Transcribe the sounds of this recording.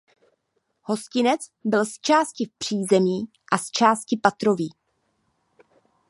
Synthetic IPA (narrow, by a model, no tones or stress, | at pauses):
ho̞scɪnɛt͡sbɪlst͡ʃaːscɪfpr̝̥iːzɛmiː | ʔast͡ʃaːscɪpat̪ɾo̞viː